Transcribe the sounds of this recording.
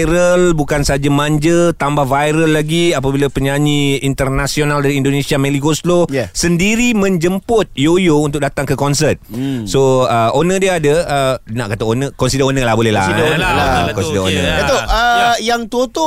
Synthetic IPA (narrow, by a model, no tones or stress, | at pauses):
ɾəlbukansəad͡ʒamãɲd͡ʒət̪ambahvajɾəlːaɡiapabilapəɲaɲiint̪ərnasionaldaɾiindonẽsiamẽlikoslosəndiɾimə̃ɲd͡ʒəmpʊt̪̚jojount̪ʊk̚dat̪aŋkəkɔns̬ət̪̚soəonə̃diəadəəna̰ʔkat̪aonə̃kɔnsidəonə̃lahbolɛɦla̰ | kɔnsidəonə̰jat̪oəjaŋt̪ot̪o